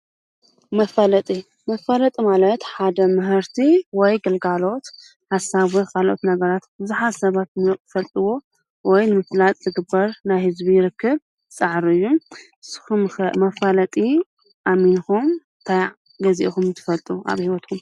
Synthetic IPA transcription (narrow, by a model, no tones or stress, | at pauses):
mɐfɐlɐt̪ʼi | mɐfɐlɐt̪ʼimalɐt̪ħad̪ɐmɨɦɨɾt̪ʰiwɔjɡɐlɡalo̞t̪ | ħasaβokʰalʔo̰t̪nɐɡɐɾat̪bɨzuħazsɐβat̪nɨfɐlt̪ʼɨwo̞ | wɔjnɨmɨflat̪ʼzɨɡɨbːɐɾnajhɨzbijɪɾɨkːɨβ | sʼɐʕɾɨjːuʔɨsːɨ̥xummɐfɐlɐt̪ʼi | ʔamːinxumɨt̪ʰaj | ɡɐziʔxumnt̪ʰɨ̥fɐlt̪ʼua̰βhiwɔt̪kʰum